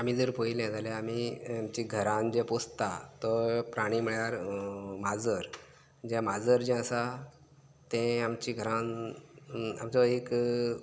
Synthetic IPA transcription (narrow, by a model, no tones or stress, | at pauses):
am̤iːd͡zəɾpojiljɛ̃d͡zalɛam̤iamt͡ɕĩɡʱəɾãnd͡ʑɛ̃post̪at̪ɔpɾaɽ̃iːm̤iɭjaɾmad͡zəɾ | d͡ʑɛmad͡zəɾd͡ʑɛ̃əsa | t̪ɛ̃amt͡ɕĩɡʱəɾãn | a̰mt͡sɔek